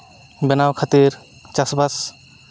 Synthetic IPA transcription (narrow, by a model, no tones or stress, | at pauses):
bɛnawkʰat̪iɾ | t͡ʃasbas